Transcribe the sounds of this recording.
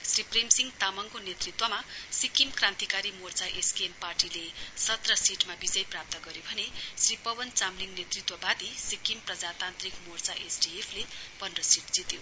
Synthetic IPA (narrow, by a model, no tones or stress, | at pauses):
sriprimsiŋɡt̪amʌŋkonet̪rit̪wʌmasikimkrãnt̪ikaɾimort͡saʔeskemparʈilesʌt̪rʌsiʈmabid͡zʌjprap̚t̪ʌɡʌɾjobʱʌnesripʌbʌnt͡samliŋɡnet̪rit̪wʌbad̪isikimprʌd͡zat̪ant̪rikmort͡saʔesɖiepʰlepʌnrʌsiʈd͡zit̪jo